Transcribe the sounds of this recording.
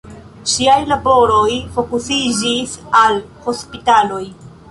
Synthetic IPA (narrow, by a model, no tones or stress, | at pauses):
ʃiajlabo̞ɾojfo̞kusid͡ʒisalho̞spitalo̞j